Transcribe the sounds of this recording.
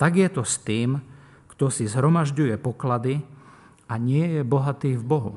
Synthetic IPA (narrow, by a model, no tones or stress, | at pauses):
t̪aɡjɛt̪ɔst̪iːm | kt̪ɔsizɦɾɔmaʒɟujɛpɔklad̪i | aɲɪɛjɛbɔɦat̪iːvbɔɦṵ